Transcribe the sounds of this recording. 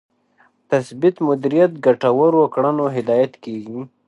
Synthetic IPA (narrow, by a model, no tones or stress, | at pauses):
t̪asbɪt̪mʊd̪iɾijat̪̚ɡaʈawəɾwəkɽənoɦɪd̪ɑjat̪keɡi